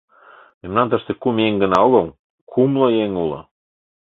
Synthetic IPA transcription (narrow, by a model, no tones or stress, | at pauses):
memnɑnt̪əʃt̪ekumjeŋɡə̆nɑoɣɤm | kʰumlojeŋulɤ̰